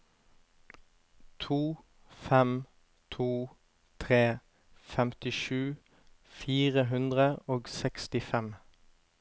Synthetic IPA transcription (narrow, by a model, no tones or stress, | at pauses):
t̪ʰuː | fɛm | t̪ʰuː | t̪ʰʁeː | fɛmt̪ɪʃʉː | fiːʁəɦʉnd̪ʁəoːɡsɛkst̪ɪfɛm